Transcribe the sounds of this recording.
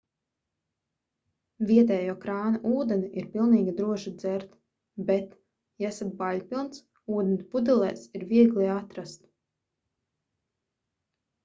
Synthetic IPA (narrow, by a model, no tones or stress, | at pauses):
viɛt̪ɛːjuːkɾaːnaʔuːd̪enʲiʔiɾpilˠniːɡʲid̪ɾuɔʃid̪z̥ɛɾt̪ | bɛt̪ | jɛsat̪̚baʎʲpʲilˠns | uːd̪enʲpud̪ilˠɛ̰ːsiɾviɛɡliat̪ɾast̪